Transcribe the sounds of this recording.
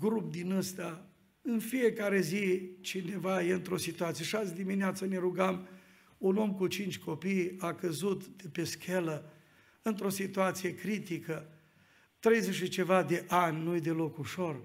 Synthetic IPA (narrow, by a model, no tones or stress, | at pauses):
ɡɾup̚d̪inəst̪a | ɨnfije̞kaɾe̞zit͡ʃine̞vajeɨnt̪ɾo̞sit̪uat̪sijeʃasd̪imineat̪səne̞ɾuɡam | uno̞mkut͡ʃint͡ʃʲkʰo̞pijakəzut̪d̪̥epe̞skʲʰelə | ɨnt̪ɾo̞sit̪uat̪sije̞kɾit̪ikə | t̪ɾe̞jze̞ʃit͡ʃe̞vad̪e̞ʔanʲnujd̪e̞lo̞kuʃo̞r